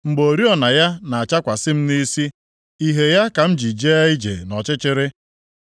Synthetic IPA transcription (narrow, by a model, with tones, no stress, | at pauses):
ŋ͡m̩˨ɡ͡bo˨ɾi˦ɔ˨na˨ja˦na˨a˨t͡ʃa˦kʷa˨sɪ˦m̩˦ni˦si˦ | i˦ɦe˨ja˦ka˨m̩˦d͡ʒi˨d͡ʒe˦i˦d͡ʒḛ˨nɔ˨t͡ʃɪ˦t͡ʃɪ˦ɾɪ˦